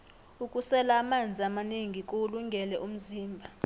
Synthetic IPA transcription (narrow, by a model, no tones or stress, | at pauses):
ukʼusɛlaːmand͡zʱiamaniŋʱikʼoluŋɡʱɛlɛʔum̩ziːmbʱa